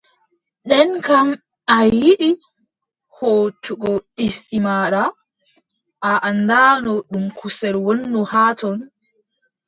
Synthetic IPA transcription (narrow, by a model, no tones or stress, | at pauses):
ɗɛnkam | ajiɗi | hoːt͡ʃuɡɔistimaɾa | ʔaʔanːdanɔɗumkusɛɾwonːuhaːtɔn